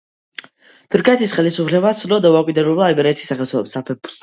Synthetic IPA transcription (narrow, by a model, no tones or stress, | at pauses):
t̪ʰuɾkʰɛt̪ʰisχɛlisupʰlɛbat̪sʰlɔd̪avakʼwid̪ɛbulbaːlibɛɾiɛt̪ʰi̥sːaχɛlt̪ʰɛlɔmsapʰɛbu̥s